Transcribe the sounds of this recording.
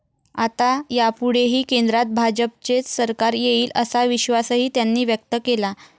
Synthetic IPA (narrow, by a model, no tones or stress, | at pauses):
at̪ajapuɽ̤eɦiːkend̪ɾat̪̚bʱad͡ʑəp̚t͡ɕet͡ssəɾkaɾjeiːləsaʋiɕʋasəɦiːt̪janːiːʋjək̚t̪əkela